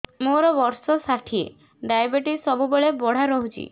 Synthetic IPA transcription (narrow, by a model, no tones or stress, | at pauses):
moɾɔbɔɾsɔsaʈʰiḛ | ɖajbeʈisɔbubeɭebɔɽ̤aɾɔɦut͡ʃʰḭ